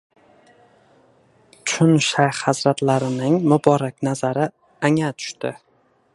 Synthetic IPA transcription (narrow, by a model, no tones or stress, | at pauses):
t͡ʃʰʊnʃajhazɾat̪laɾɪnɪŋmʊbɒɾakʲnazaɾɪ | aŋat̪ʰʊ̥ʃt̪ɪ